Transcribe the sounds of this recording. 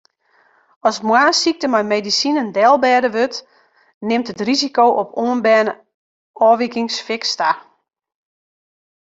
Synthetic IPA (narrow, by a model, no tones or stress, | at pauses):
ɔsmwaːnsik̚təmajmeːdisinəndɛlˠbɛːdəʋøt | nɪmtətrizikowʔɔpʰoənbɛːnə | ɔːʋikɪŋsfɪksta